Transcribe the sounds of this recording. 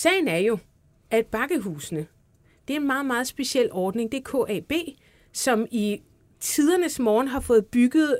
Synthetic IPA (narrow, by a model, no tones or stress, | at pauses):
sɛ̰ːɪnæɐjo̝ | æd̥̚b̥ɑ̈ɡ̥əɦuːsnə | d̥e̝æɐe̝nmɑ̈ːð̩ˠmɑ̈ːð̞̩ˠsb̥e̝ɕiel̰ɒːd̥ne̝ŋd̥e̝ɐkʰɔ̰ːʔɛ̰ːb̥e̝̰ː | sɒ̽mi | t͡sʰið̞ˠɐnəsmɒːnɦɑ̈fɔ̽ːð̞̩ˠb̥yɡ̥ð̩ˠ